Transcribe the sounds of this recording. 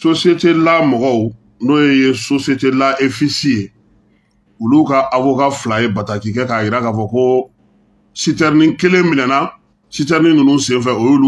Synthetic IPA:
sosietelamɔɡɔu | nojejesosietelaʔefisije | ulukaʔavokaflajebatakikɛkaːjiɾakafɔko | sitɛɾnĩkelẽmĩnɛna | sitɛɾnĩnĩnũsẽfɛojulu

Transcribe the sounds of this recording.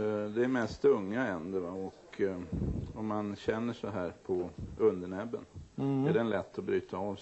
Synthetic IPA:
d̪ɛæɾmɛst̪ɵŋːaɛnd̪əɾvaɔk | ɔmːanɕɛnːəʂɔɦæːɾpʰɔɵnd̪əɳɛbːənæɖɛnlɛt̪ːɔbɾyːt̪ʰaɑv

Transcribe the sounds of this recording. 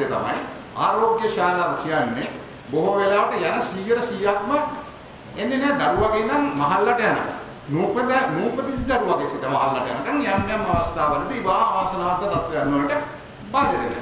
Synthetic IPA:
jɐt̪ɐ̰mɐ̰j | a̰ːɾoːɡjɐʃaːlaːʋɐkʰijanːe | boɦuʋelaːʋɐʈɐjɛnɐsiːjɐɾɐsiːjaːt̪mɐ | enːeneːd̪ɐɾuʋaɡeind̪ɐŋmɐɦɐlːɐʈɐjɐnɐ̰ka̰ŋ | nuːpɐd̪nuːpɐt̪it̪id̪ɐɾuʋaɡesit̪ɐmɐɦɐlːɐʈɐjɐnɐkɐŋjamːejɐmːɐʋɐst̪ʰaːʋɐd̪it̪iiʋaːaːsɐnaːt̪ːɐt̪ɐt̪ʋɐjɐnːoːnəʈə | baːljɐt̪et̪ḛ

